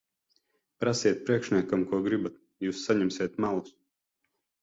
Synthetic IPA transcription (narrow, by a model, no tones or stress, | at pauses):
pɾasiɛt̪̚pɾiɛkʃnʲiɛkamkuɔɡɾibat̪̚ | juːsːaɲɛmsʲiɛt̪malˠus